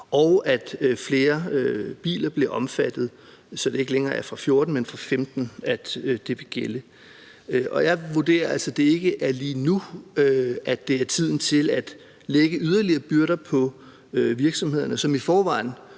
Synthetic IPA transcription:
ɒ̽ʊæd̥fle̝ːɐøb̥ḭːlɐb̥le̝ʔɒ̽mfæd̥ð̞̩ˠ | sɒ̽d̥ee̝ɡəleŋɐːæɐfʁɑ̈fjo̝ːɐd̥n̩menfʁɑ̈femd̥n̩æd̥d̥e̝ʋe̝ɡ̥elə | ʔɒ̽jɑ̈ɪʋuɐd̥e̝̰ːɐælsɐd̥e̝e̝ɡ̥əʔæɐliːnuøʔæd̥e̝æɐt͡sʰið̞̰ˠn̩t͡sʰe̝læd̥ | leɡ̥əyð̞ˠɐliɐːb̥yɐɾɐpʰɒ̽ | øʋiɐɡ̥sɒ̽mhe̝ð̞̰ˠɐnəsɒ̽mifɒːʋɑ̈ɪ̰n̩

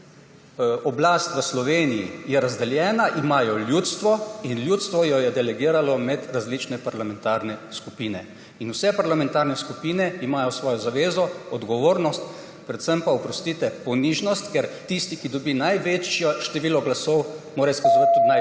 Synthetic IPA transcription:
ɔblaːst̪ʋəslɔʋeːnijijɛɾazd̪ɛljɛːnaʔimaːjɔljuːt̪st̪ʋɔinljuːt̪st̪ʋɔjɔjɛd̪ɛlɛɡiːɾalɔmɛd̪ɾazlit͡ʃnɛpaɾlamɛnt̪aɾnɛskupiːnɛ | inuwsɛpaɾlamɛnt̪aɾnɛskupiːnɛimaːjɔsʋɔːjɔzaʋeːzɔɔd̪ɡɔʋoːɾnɔst̪ | pɾɛt̪səmpaɔpɾɔst̪iːt̪ɛpɔniʒnɔst̪kɛɾt̪ist̪ikid̪ɔbinajʋeːt͡ʃjɔʃt̪ɛʋiːlɔɡlasɔwmoːɾajskazuʋat̪̚ʲt̪ːud̪naj

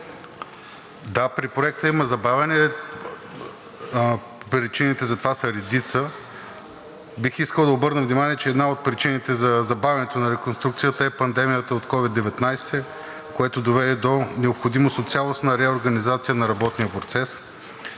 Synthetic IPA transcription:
d̪apɾipɾoɛk̚t̪əiməzɐbavʲɛnɛ | pɾit͡ʃinit̪ɛzɐt̪ovasɐɾɛd̪it̪sə | bixiskəlˠd̪ɐobɤɾnəvnimaniɛt͡ʃɛɛd̪naot̪̚pɾit͡ʃinit̪ɛzɐzɐbavʲɐnɛt̪onɐɾɛkonst̪ɾukt̪sijət̪əɛpɐnd̪ɛmijət̪əot̪kɔvid̪ːɛvɛt̪najsɛ | koɛt̪od̪ovɛd̪ɛd̪onɛopxod̪imost̪ot̪sʲjalˠosnɐɾɛoɾɡɐnizat̪sijənɐɾɐbɔt̪nijəpɾot̪sɛs

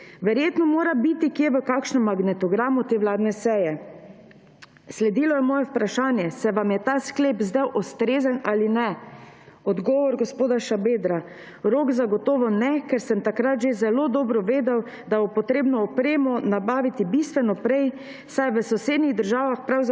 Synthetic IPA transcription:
ʋɛɾjeːt̪nɔmoːɾabit̪ikjeʋəkaːkʃnɛmːaɡnɛt̪ɔɡɾaːmut̪eːʋlaːd̪nɛsɛːjɛ | slɛd̪iːlɔjɛmɔːjɛupɾaʃaːnjɛsɛʋamjɛt̪askleːpzd̪ɛwʔɔst̪ɾeːzənaːlinɛ | ɔd̪ɡɔːʋɔɾɡɔspoːd̪aʃabeːd̪ɾa | ɾoːɡzaɡɔt̪ɔːʋɔnɛkɛɾsəmt̪akɾat̪ʒezɛloːd̪ɔːbɾɔʋeːd̪ɛw | d̪abɔpɔt̪ɾeːbnɔːpɾeːmɔnabaːʋit̪ibist̪ʋɛnɔpɾɛj | sajʋəsɔseːd̪niɣd̪əɾʒaːʋaxpɾawz

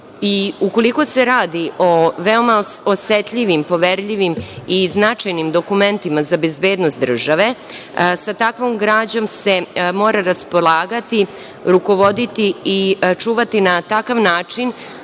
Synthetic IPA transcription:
iuko̞liko̞se̞ɾaːd̪iʔoʋeo̞maoset̪ʎiʋimpo̞ʋeɾʎiʋimiznat͡ʃajnimd̪o̞kume̞nt̪imazabe̞zbe̞ːd̪nost̪d̪r̩ʒaʋe̞ | sat̪akʋo̞mɡɾaːd͡ʑo̞mse̞mo̞ːɾaɾaspo̞lˠaːɡat̪i | ɾuko̞ʋo̞d̪it̪iːt͡ʃuːʋat̪inat̪akaʋnaːt͡ʂin

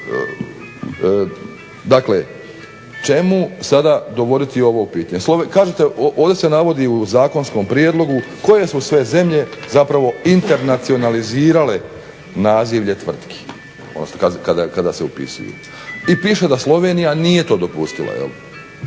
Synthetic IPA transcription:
d̪akle | t͡ʃe̞musad̪ad̪o̞ʋo̞d̪it̪io̞ʋopiːt̪aɲeslˠoekaːʒet̪eʔoʔoːvd̪ese̞naʋo̞d̪iuzaːko̞nsko̞mpɾijed̪lˠo̞ɡuko̞je̞susʋe̞ze̞mʎe̞zapɾaʋo̞int̪e̞ɾnat̪sio̞naliziːɾale̞ | naːziʋʎe̞t̪ʋr̩t̪kʰi̥ | ono̰skakad̪akad̪aseupḭsṵjṵ | ipiːʃe̞d̪aslˠo̞ʋe̞nijanije̞t̪o̞ːd̪o̞pust̪ilˠa̰jḛli

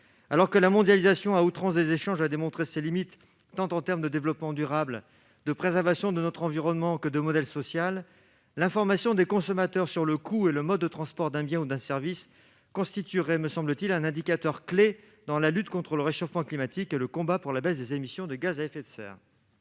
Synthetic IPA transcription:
alɔʁkəlamɔ̃d̪jalizasjɔ̃aut̪χɑ̃sd̪ezeʃɑ̃ʒad̪emɔ̃t̪χeselimit̪ː | ɑ̃t̪ɑ̃t̪ɛʁmd̪əd̪evlɔpmɑ̃d̪yʁabl | d̪əpχezɛʁvasjɔ̃d̪ənɔt̪χɑ̃viʁɔnmɑ̃kəd̪əmɔd̪ɛlsɔsjalː | ɛ̃fɔʁmasjɔ̃d̪ekɔ̃sɔmat̪œʁsyʁləkʰueləmɔd̪ːət̪χɑ̃spɔʁd̪ɛ̃bjɛ̃ud̪ɛ̃sɛʁvis | kɔ̃st̪it̪yʁɛməsɑ̃blət̪ilɛ̃nɛ̃d̪ikat̪œʁkle | d̪ɑ̃lalyt̪kɔ̃t̪χələʁeʃofmɑ̃klimat̪ikeləkɔ̃bapuʁlabɛsd̪ezemisjɔ̃d̪əɡazaɛfet̪sɛ̰ːʁ

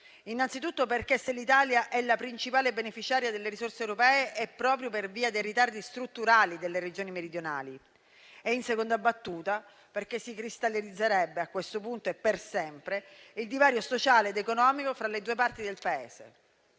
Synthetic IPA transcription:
inːant̪sit̪ut̪ːoperkesːelːit̪aːljaʔɛlːapɾint͡ʃipaːlebenefit͡ʃaːɾjad̪elːeɾisorseːwɾopɛːeʔɛpːɾɔːpɾjoperviːad̪ejrit̪ard̪ist̪ɾut̪ːuɾaːlid̪elːered͡ʒoːnimeɾid̪jona̰ːli | einsekond̪abat̪ːuːt̪a | perkesːikɾist̪alːeɾid̪zːeɾɛbːeakːwest̪opunt̪oepːersɛmpɾeild̪ivaːɾjosot͡ʃaːleːd̪ekonɔːmikofɾaled̪uːepart̪id̪elpaḛːz̥ḛ

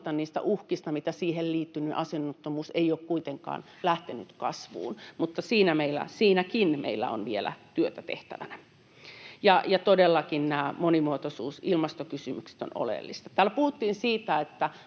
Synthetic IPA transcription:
t̪ɑnniːst̪æ̰ʔuhkist̪ɑmit̪æsiːhelliːt̪ːynyʔɑsenːot̪ːomuːseioːkkuit̪eŋkɑ̰ːn | læht̪enyt̪kɑ̰sʋṵːnmut̪ːɑsiːnæmeilːˑæ̰siːnækinmʔḛilːæ̰o̰nʋielæ̰t̪yøt̪æt̪ḛht̪æ̰ʋænæ | jɑjɑt̪odelːɑkinnæːmonimuot̪osuːsilmɑst̪okysymykse̥t̪o̰no̰lḛlːist̪ɑ̥t̪æːlpuhut̪ːiːnsiːt̪æet̪ːæ

